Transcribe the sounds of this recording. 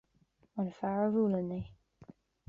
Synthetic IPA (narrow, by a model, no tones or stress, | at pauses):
ənəfaɹəɹuːlənːe